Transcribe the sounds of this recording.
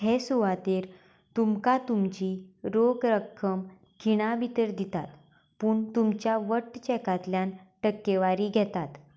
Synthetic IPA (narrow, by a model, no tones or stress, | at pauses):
ɦesuʋat̪eɾ | t̪umkat̪umt͡ɕiɾokɾəkʰːəm | kʰiɽ̃abit̪əɾd̪it̪at̪ | puːɳt̪umt͡ɕjaʋəʈːt͡ɕɛkat̪ljãnʈəkːeʋaɾiːɡʱɛt̪at̪